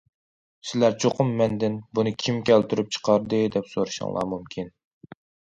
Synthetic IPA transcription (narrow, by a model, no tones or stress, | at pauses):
sɪlæɾt͡ʃʰoqʰʊmːɛnd̪ɪnbunɨkʲʰimkʲʰɛlt̪ʰyɾyp̚t͡ʃʰə̥qʰɑɾd̪ɨd̪ɛpsoɾɨʃɑ̰ŋlˠɑ̰ɾmumkʲʰin